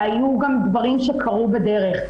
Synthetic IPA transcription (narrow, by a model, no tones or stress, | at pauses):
ajuɡamdbaʁimʃekʰaʁubede̞ʁeχ